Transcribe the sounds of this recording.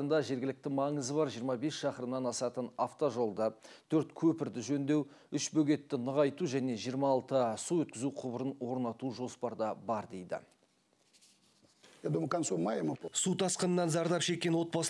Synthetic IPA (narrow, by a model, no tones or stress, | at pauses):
ənd̪ɑʒe̞ɾɡʲɪlɪk̚t̪ɪmɑɴəzəbɑɾʒijəɾmɑbe̞sʃɑqəɾəmnɑnɑsɑt̪ənɑft̪oʒo̞lˠd̪ət̪ʰɵɾt̪kʲʰɵpɪɾd̪ɪʒɵnd̪e̞w | ʏʃbɵɡʲe̞t̪ːɪnəʁɑjt̪uʒæne̞ʒijəɾmɑːlˠt̪əsuwɵt̪̚kʲɪzuqʰʊbəɾənwo̞ɾnɑt̪uʒo̞spɑɾd̪ɑbɑɾd̪e̞jd̪ɪ̰ | ed̪uməkansumɑjəmsut̪ʰɑsqənənːɑnzɑɾd̪ɑɾpʃe̞kʲːe̞nwo̞t̪̚bɑs